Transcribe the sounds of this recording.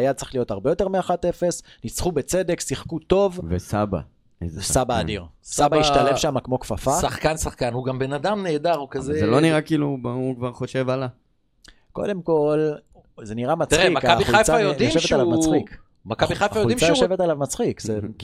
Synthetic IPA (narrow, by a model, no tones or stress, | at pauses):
ajad̚t͡sʁi̥χlijo̞taʁbe̞jo̞t̪e̞ʁmeaχate̞fe̞snit͡sχubet͡se̞de̞ksiχkut̪o̞vvesaba̰ | zsabaːd̪iʁsabaiʃtalefʃamakmo̞kfafaaχkansaχkanhuɡambe̞nadamne̞ːdaʁukazezeloniʁakiːlubaukvaʁχo̞ʃe̞vala | ko̞̰de̞mko̞l | ze̞niʁamat͡st̪ʁimakabiajt͡sajojdimʃeealamat͡sik | makabiχajfajoudimt͡sajoeve̞t̪alavmat͡sχikze